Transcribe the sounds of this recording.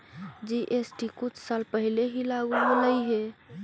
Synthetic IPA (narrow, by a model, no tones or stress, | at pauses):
d͡ʒiʔesʈikut͡ʃʰsalpəɦileɦilaɡuɦoləjɦe